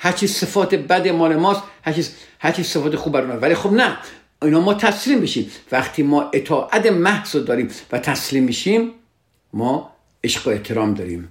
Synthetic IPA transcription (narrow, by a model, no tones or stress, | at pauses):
hæɾt͡ʃʰiːsefɒːt̪ebæd̪emɒːlemɒːst̪hæɾt͡ʃʰishæɾt͡ʃʰiːsefɒːt̪exubæɾumɒvælixobnæ | iːnɒːmɒːt̪ʰæsliːmbiʃiːmvæχt̪ʰiːmɒːʔet̪ʰɒːʔæt̪emæhz̥ɔd̪ɒːɾiːmvæt̪ʰæsliːmːiːʃiːmː | ɒː | eʃɡoe̞ht̪ʰeɾɒːmd̪ɒːɾiːm